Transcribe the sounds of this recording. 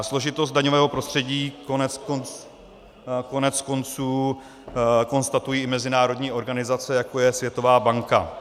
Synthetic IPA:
slo̞ʒɪt̪o̞s̬t̪̚daɲovɛːɦo̞pɾo̞st̪r̝̥ɛɟiːkonɛkont͡s | ko̞nɛt͡sko̞nt͡suː | ko̞nst̪at̪ujiːɪmɛzɪnaːɾo̞dɲiːʔo̞ɾɡanɪzat͡sɛjako̞jɛsvjɛt̪o̞vaːbaŋka̰

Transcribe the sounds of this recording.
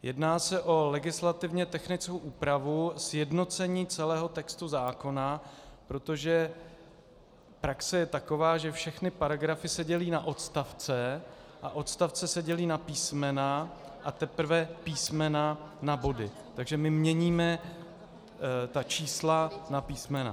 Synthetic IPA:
jʔɛdnaːsɛʔo̞lɛɡɪslat̪ɪvɲɛt̪ɛxnɪt͡skowʔuːpɾavusjɛdno̞t͡sɛɲiːt͡sɛlɛːɦo̞t̪ɛkst̪uzaːko̞napɾo̞t̪oʒɛ | pɾaksɛjɛt̪ako̞vaːʒɛfʃɛxnɪpaɾaɡɾafɪsɛɟɛliːnaʔo̞t̪st̪aft͡sɛʔaʔo̞t̪st̪aft͡sɛsɛɟɛliːnapiːsmɛna | ʔat̪ɛpr̩vɛpiːsmɛnanabo̞dɪ | t̪aɡʒɛmɪmɲɛɲiːmɛ | t̪at͡ʃiːslanapiːsmɛna̰

